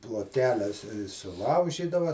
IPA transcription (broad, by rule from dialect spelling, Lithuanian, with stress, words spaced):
plˠoːtʲˈkʲæːlʲɛs sʊˈlˠɐʊʒʲiːdɐʋɐ